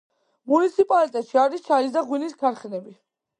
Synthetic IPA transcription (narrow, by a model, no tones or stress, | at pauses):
munit̪sʰipʼalit̪ʼɛt̪ʃiaɾist͡ʃʰaɾis̬d̪aʁwiniskʰaɾχɛnɛbi